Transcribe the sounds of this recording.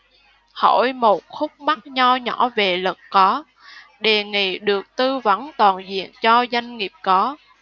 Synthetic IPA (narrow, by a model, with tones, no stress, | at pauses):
ho˧˩jmo˨˩t̚xʊ˦˥k͡p̚ma˦˥t̚ɲa˧wɲɔ̰˧˥ve˨˩lə˨˩k̚kɔ˨˦ | ɗe˨˩ŋḭ˧˨ɗɨ˨˩ək̚t̪ɨ˧və˨˦nt̪waː˨˩nzḭ˧˨ənt͡ɕɔ˧za˧jŋ̟ŋi˨˩əp̚kɔ˨˦